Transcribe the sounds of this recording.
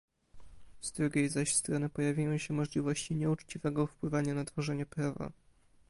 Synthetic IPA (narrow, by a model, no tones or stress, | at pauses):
z̥d̪ɾuɡʲejzaɕst̪ɾɔnɘpɔjavʲjajɔ̃w̃ɕɛmɔʐlʲivɔɕt͡ɕiɲɛut͡ʂt͡ɕivɛɡɔfpwɘvaɲanat̪fɔʐɛɲɛpɾava̰